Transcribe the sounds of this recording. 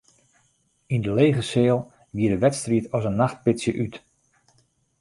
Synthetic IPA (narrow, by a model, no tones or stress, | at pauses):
indəlejɣəseːlˠ | ʋiədəʋɛtstriətɔzənːaχt̚pɪtsjəʔyt